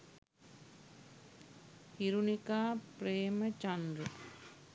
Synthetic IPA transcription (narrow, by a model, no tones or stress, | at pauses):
hiɾunikaːpɾeːmɐt͡ʃɐnɾɨ